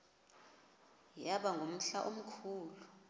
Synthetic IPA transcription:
jaɓaŋɡʱom̩ɬaʔom̩kʰuːlu

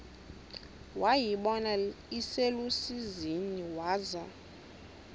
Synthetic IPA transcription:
wajiɓɔnaiselusiziniwaːza

